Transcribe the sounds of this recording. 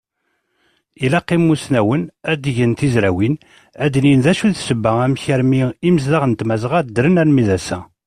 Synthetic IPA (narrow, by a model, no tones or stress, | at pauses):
ilæqːimːusnæwənæd̪ʝənt̪izɾæwin | æd̪ninðæʃuðsəbːææmçæɾmiiməzlaʁənt̪mæzʁæd̪ɾənælmiðæsæ